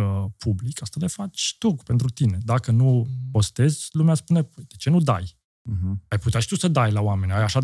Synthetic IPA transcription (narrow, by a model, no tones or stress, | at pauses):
əpʰublikast̪ale̞fat͡ʃʲt̪uɡpe̞nt̪̬ɾut̪ine̞d̪akənupo̞st̪e̞zʲlumeaspune̞pəjd̪̥e̞t͡ʃe̞nud̪a̰j̩ | ɦajput̪eaʃi̥t̪usəd̪ajlaoame̞nʲajaʃa